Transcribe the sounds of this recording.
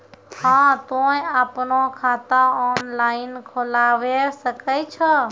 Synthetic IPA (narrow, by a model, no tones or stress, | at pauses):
hãt̪ojapnokʰat̪ãɔnlainkʰolaʋesəkət͡ʃʰə